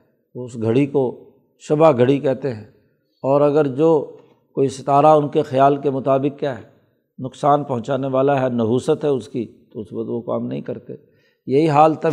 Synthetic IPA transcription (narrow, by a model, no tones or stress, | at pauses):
oʊsɡʱɐɽiko | ʃʊbaɡʱɐɽikɛɦt̪eɦɛ̃ː | ɔːɾɐɡəɾd͡ʒoː | koːisɪt̪aːɾaʊnkexɐjaːlkemʊt̪aːbɪkkːjaːɦɛ | nʊksaːnpɐɦʊ̃t͡ʃaːneʋaːlaɦɛnɐɦuːsət̪ɦɛʊskit̪oʊsbət̪ʋoka̰ːmnɐɦĩkɐɾt̪ḛ | jɐɦiɦaːlt̪ɐ